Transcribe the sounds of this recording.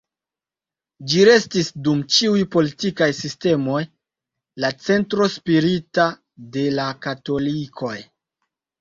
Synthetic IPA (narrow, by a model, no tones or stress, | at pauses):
d͡ʒiɾe̞stisdumt͡ʃiujpo̞litikajsiste̞mo̞j | lat͡se̞ntɾo̞spiɾita | de̞lakato̞likʰo̞j